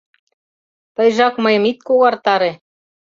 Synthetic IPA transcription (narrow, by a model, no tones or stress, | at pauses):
t̪ɤjʒɑkmɤ̆jɤ̆mit̪̚koɣɑrt̪ɑɾe